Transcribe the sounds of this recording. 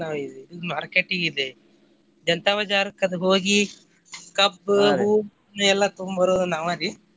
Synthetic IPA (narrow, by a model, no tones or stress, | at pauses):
naːʋid̪eid̪imaːɾkeːʈiŋɡid̪e | d͡ʒɐnt̪aʋɐd͡ʒaːɾɐkːɐd̪eɦoːɡi | kɐbuːm | nuɛlːɐt̪umbɐɾoːd̪unaːʋaɾi